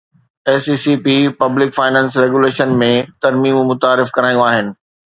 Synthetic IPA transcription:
eːsiːsiːpipɐblɪkfaːɪnɛ̃ːnsɾeːɡuleːʃənmẽt̪ɐɾmiːmmʊt̪aːɾɪfkɐɾaːjũaːɦɪnɪ̆

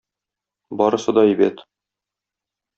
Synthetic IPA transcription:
bɒɾɤ̆sɤd̪ɒibæt̪

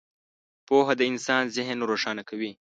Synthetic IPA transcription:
poɦad̪əɪnsɑːnzɪɦənɾoʂɑːnakawi

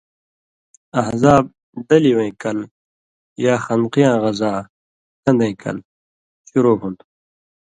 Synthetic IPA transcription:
ɐhzaːb̚ | d̪ɐliwẽkɐl | jaːxɐnqijãːɣɐzaː | kʰɐ̃nd̪ẽĩkʰɐ̰l | ɕuɾoːɦũnt̪ʰu̥

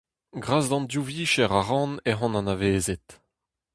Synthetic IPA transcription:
ɡʁaːzd̪ɑ̃nd̪juviːʃɛʁaʁɑ̃neɦɑ̃nɑ̃naveːzet̪

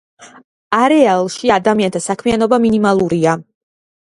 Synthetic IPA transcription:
aɾɛalˠʃiad̪amiant̪ʰasakʰmianɔbaminimalˠuɾia

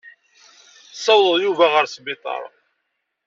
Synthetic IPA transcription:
sˤːɑwəðˤjuvæʁəɾsbɪt̪ˤɑ̰ɾˤ

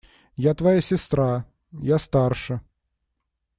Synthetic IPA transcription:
jat̪vɐjasʲɪst̪ɾa | jast̪arʂə

